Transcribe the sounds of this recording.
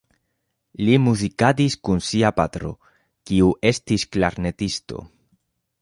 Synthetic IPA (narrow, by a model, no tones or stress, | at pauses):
limuzikadiskunsiapat̪ɾo̞̰ | kiuʔe̞stisklaɾne̞tisto̞̰